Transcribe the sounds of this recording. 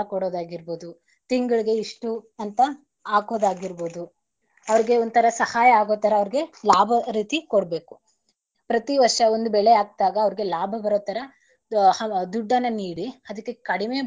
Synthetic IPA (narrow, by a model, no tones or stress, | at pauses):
ɐkoɽoːd̪aːɡiɾboːd̪u | t̪iŋɡɐɭiɡe̞iʂʈuɐnt̪ɐ | aːko̞ːd̪aːɡiɾboːd̪u | ɐʋɐɾiɡe̞ond̪t̪ʰɐɾɐsɐhaːjɐaːɡo̞ːt̪ɐɾɐɐʋɐɾiɡe̞laːbʱɐɾiːt̪ikoɽbe̞ːku̥ | pɾɐt̪iʋɐɾʂɐond̪ubɛɭeaːɡ̚t̪aːɡɐːʋɐɾiɡe̞laːbʱɐbɐɾoːt̪ːɐɾɐ | hɐd̪uɖːɐnːɐniːɽiɐd̪ɐkːe̞kɐɽime